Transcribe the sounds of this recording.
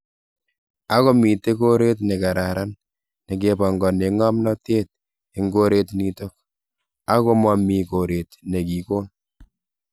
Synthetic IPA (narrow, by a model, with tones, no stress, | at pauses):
a˦kɔ˦mi˨te˦ko˦ɾe˦t̬ne˨ka˨ɾa˨ɾa˦nː | e˨k̬e˨pɔ˨ŋɡɔ˨ne˨ŋɔ˦mnɔ˦te˦t̚ | e˦ŋɡo˦ɾe˦tni˦to˦k̚ | a˦ko˦mɔ˦mi˨ko˨ɾe˨tne˨ki˨koː˦n